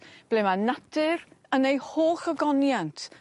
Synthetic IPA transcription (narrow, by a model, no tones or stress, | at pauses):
b̥lɛmanatʰɪrənejhoːχɔɡɔnjantʰ